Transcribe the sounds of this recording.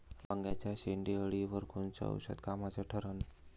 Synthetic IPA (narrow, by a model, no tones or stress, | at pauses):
ʋaŋɡjat͡ɕjaɕeɳɖiəɭiʋəɾkʰont͡sə̰ə̰wɕə̰d̪̚kamat͡səʈʰəɾən